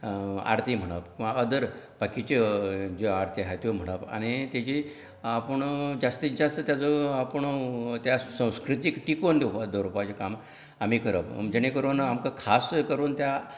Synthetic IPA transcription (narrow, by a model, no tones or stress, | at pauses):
a̰ɾt̪ʰim̤əɽ̃əpaəd̪əɾ | pakit͡ɕed͡ʑeaɾt̪ʰiɦajt̪jom̤əɽ̃əpa̰ñit̪jat͡ɕi | apəɳd͡zast̪id͡zast̪ət̪jat͡soapəɳt̪jasə̃w̃skɾit̪ikʈikond̪eupad̪əɾupat͡ɕekam | am̤ikəɾəpd͡ʑeɽ̃ekəɾoːnamkakʰaskəɾuːnt̪ja